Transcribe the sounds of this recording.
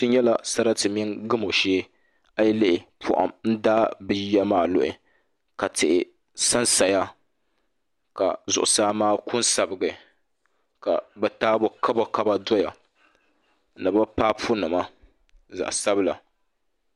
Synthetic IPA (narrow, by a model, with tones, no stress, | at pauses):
tɨ˦ɲɛ˦la˨sa˦ɾa˦tɨ˨mi˦ŋɡɨ˦mo˨ʃeː˦ | a˦ji˦lɪ˦ʔɪ˨pʰʊ̰˨ʔa̰˨mn̩˦daː˦bɨ˨jja˦maː˦˨lʊ̰˦ʔɪ̰˨ | ka˨tɪ˨ʔɪ˨ | sa˦nsa˨ja˦ | ka̰˨zʊ˨ʔʊ˨saː˦maː˦kʊ˦nsa˨bɨ˨ɡɨ˨ | ka˨bɛ˨taː˦bʊ˨kʰa˦bo˨ka˦ba˦dɔ˦ja˨ | nɨ˨ba˦paː˦pʰʊ˦nɨ˨ma˦ | za̰˨ʔsa˦bɨ˦la˨